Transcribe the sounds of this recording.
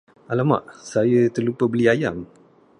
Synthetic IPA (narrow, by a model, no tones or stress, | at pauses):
alama̰ʔsajət̪ərlupəbəliajam